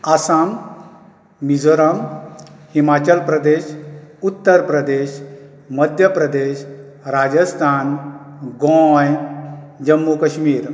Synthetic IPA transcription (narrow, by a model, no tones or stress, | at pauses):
asam | id͡zoɾəmhimat͡ɕəlpɾəd̪eɕut̪ːəɾpɾəd̪eɕ | məd̪ʱjəpɾəd̪eɕ | ɾad͡ʑəst̪ʰan | ɡɔ̃j | d͡ʑəmːukəɕmiːɾ